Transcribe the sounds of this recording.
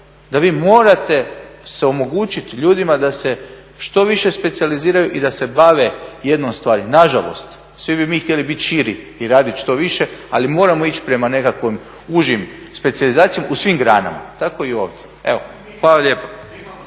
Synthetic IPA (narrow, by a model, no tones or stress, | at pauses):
d̪aʋiːmo̞ːɾat̪e̞seo̞mo̞ɡuːt͡ʃit̪ʎuːd̪imad̪ase̞ | ʃt̪o̞ʋiʃe̞spe̞t̪sializiːɾajuʔid̪ase̞baʋeje̞d̪no̞mst̪ʋaːɾinaʒa̰lˠo̞̰st̪ | sʋibimiːxt̪ʲjelibit̪ʃiɾi | iɾaːd̪it̪ʃt̪o̞ʋiʃe̞alimo̞ːɾamo̞it͡ʃpɾe̞mane̞kakʋom | uʒjim | spe̞t̪sijalizaːt̪sijamausʋimɡɾaːna̰ma̰t̪ako̞io̞̰ːʋd̪ʲjee̞ʋo | xʋaːlˠaʎʲeːpo